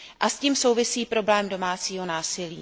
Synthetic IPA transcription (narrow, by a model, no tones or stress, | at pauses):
ʔasciːmso̞wvɪsiːpɾo̞blɛːmdo̞maːt͡siːɦo̞naːsɪlḭː